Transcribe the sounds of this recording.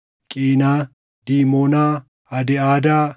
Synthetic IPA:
kʼiːnaː | d̪̥iːmoːnaː | ɐd̪ɪaːd̪aː

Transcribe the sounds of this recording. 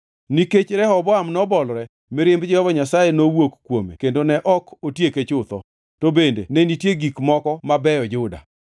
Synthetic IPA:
niket͡ʃɾɛhɔbɔamnɔbɔlɾɛ | mɛɾɪmbd͡ʒɛɔbɔɲasajenowokkːwomḛkendonɛʔɔkotjeket͡ʃʊt̪ɔ | tobendḛnɛnitjeɡikmɔkɔmabɛjɔd͡ʒʊda̰

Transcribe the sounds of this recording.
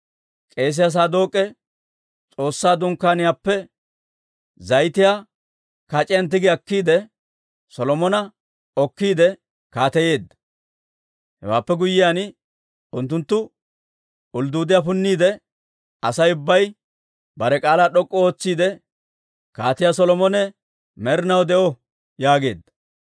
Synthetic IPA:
kʼe̞ːs̬ɪɐs̬aːd̪o̞ːkʼːɛ | t͡sʼo̞ːsːaːd̪ʊŋkːaːnɪjaːpːɛ | zɐjt̪ɪjaː | kat͡ʃʼɪjɐnt̪ːɪɡɪɐkːiːd̪ɛ | sɔlɔmɔnɐ | ɔkːiːd̪ɛ | kaːt̪ɛje̞ːd̪ːɐ̥ | hɛ̰wa̰ːpːɛɡʊjːɪjaːn | ʊnt̪̬ːʊnt̪ːʊ | ʊld̪uːd̪ɪjapʊnːiːd̪ɛ | ɐsɐjʊbːɐj | bɐɾɛkʼaːlaːɗɔkʼːɔoːt͡sːiːd̪ɛ | kaːt̪ɪjaːsɔlɔmɔnɛ | mɛɾɪnɐwd̪ɛʔɔ | jaːɡe̞̰ːd̪ːɐ̥

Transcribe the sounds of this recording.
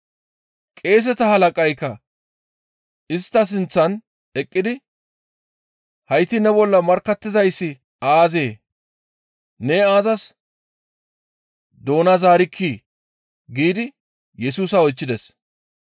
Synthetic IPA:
kʼe̞ːs̬ɛt̪ɐhɐlɐkʼɐjkːɐ | ɪst̪ːɐs̬ɪnt͡sːɐn | ɛkʼːɪd̪ɪ | hɐjt̪ɪnɛbɔlːɐmɐɾkːɐt̪ːɪzɐjsːɪ | aːze̞ː | neːaːzɐs | d̪o̞ːnɐzaːɾɪkʰːiː | ɡiːd̪ɪ | jɛsuːsɐɔjt͡ʃːɪd̪ɛs

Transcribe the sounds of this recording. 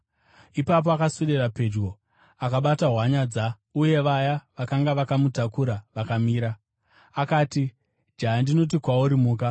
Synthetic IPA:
ipap̬oakasuɗerape̞d͡ʒɡo̞ | akaɓataɦwaɲad͡za | uje̞ʋajaʋakaŋɡaʋakamutakuɾaʋakamiːɾaː | kaːti | d͡ʒaandino̞t̬ikwauɾimuːka

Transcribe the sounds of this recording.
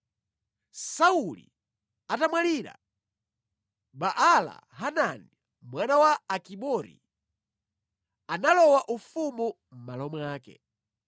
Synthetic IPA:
saulḭ | atamwaliːɾa̰ | ɓaʔala̰ɦanani | mwanawaːkiɓɔɾḭ | analɔwaʔufumu | m̩malɔmwaːkɛ̰

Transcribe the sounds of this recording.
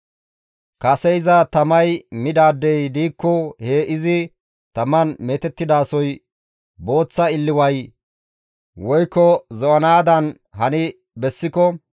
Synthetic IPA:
kɐsɛjɪzɐt̪ɐmɐjmɪd̪aːd̪ːɛjd̪iːkːɔheːʔɪzɪ | t̪ɐmɐnmeːt̪ɛt̪ːɪd̪aːsɔj | bo̞ːt͡sːɐɪlːɪwɐj | wɔjkːɔzɔʔɐnaːd̪ɐn | hɐnɪ | bɛsːɪkɔ

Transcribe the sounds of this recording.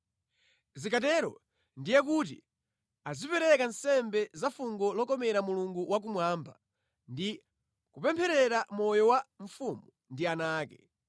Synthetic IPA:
zikatɛɾɔ̰ | ndijɛk̬utḭ | azipɛɾɛkansɛmbɛzafuŋɡɔlɔkɔmɛɾamuluŋɡuwak̬umwaːmba | ndi | kupɛmpʰɛɾɛɾamɔjɔwaɱ̩fumu | ndianaːkɛ

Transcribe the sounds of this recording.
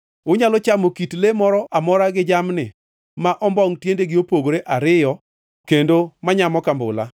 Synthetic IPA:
ʊɲalɔt͡ʃamokitlemɔɾɔʔamɔɾaɡɪd͡ʒamnɪ | maʔɔmbɔŋtjendeɡɪopoɡɾeʔaɾɪjɔ | kendomaɲamɔkambʊ̰la̰

